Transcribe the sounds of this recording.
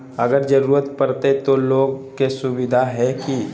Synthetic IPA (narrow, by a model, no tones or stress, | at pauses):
ɐɡəɾd͡ʒɐɾuːɾət̪pɐɾt̪et̪oloːɡkesʊʋɪd̪ʱaɦɛki